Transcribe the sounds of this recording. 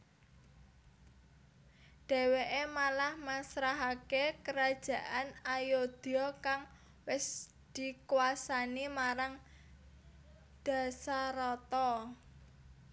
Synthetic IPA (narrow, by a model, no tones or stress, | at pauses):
ɖ̪̥ɛ̤weʔemalahmasɾaɦakekəɾad̥ʒ̥ä̤ʔanajod̪̥ɔkaŋ | wɪs | d̪̥i̤kwasanimaɾaŋ | d̪̥ä̤saɾɔt̪ɔ